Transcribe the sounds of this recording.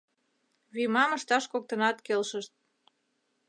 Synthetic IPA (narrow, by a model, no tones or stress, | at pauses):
βymɑmə̆ʃt̪ɑʃkok̚t̪ənɑt̪kelʃəʃt̪̚